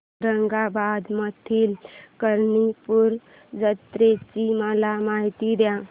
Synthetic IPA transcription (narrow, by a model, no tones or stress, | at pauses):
ɾəŋɡabad̪mət̪ʰiːlkəɾnipuɾ | d͡zət̪ɾet͡ɕiməlamaɦit̪id̪jã